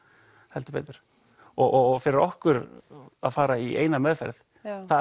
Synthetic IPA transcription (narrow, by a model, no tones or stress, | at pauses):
hɛlt̪ʏ̥pḛːjt̪ʏɾ̥ | ɔɣɔɣfɪɾɪɾɔhkʏɾa̰ðfaːɾaiʔḛːjnamɛðfɛ̰ɾð | θa